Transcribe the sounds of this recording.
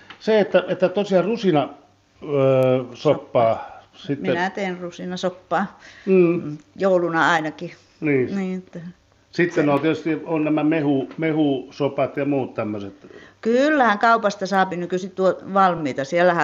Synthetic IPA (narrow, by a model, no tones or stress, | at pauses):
seet̪ːæet̪ːæt̪osiɑrusinɑ | sopːɑːsit̪miːenæt̪eːnrusinɑsopːɑː | joulunɑɑinɑki | niːniːet̪ːæ | sit̪ːenot̪iet̪yst̪ionnæmæmehumehusopɑt̪jɑmuːt̪t̪æmːøset̪kylːæhæŋkɑupɑst̪ɑsɑːpinykysitt̪uoʋɑlmˑiːt̪ɑsielæhæ